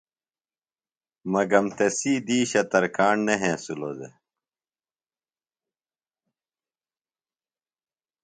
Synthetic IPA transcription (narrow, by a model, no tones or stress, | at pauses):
mɐɡɐmt̪ɐsiːd̪iːɕɐt̪ɐɾkaːɳneɦẽːsulod̪ḛ